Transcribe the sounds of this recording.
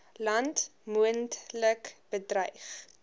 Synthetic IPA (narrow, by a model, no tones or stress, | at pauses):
lɐntmuəntləkb̥ədrœjχ